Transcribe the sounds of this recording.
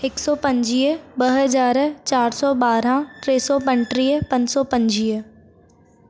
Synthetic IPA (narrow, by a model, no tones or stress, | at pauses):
ɪksɔːpɐ̃ɲd͡ʑiːbɐɦɐzaːɾt͡ɕaːɾsɔbaːɾãʈɾeːsɔpɐ̃ɲʈɾiːəpɐ̃ɲsɔpɐ̃ɲd͡ʑiː